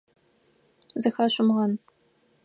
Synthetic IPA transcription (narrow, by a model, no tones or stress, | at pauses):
zɨxaːɕʷʊmʁɐn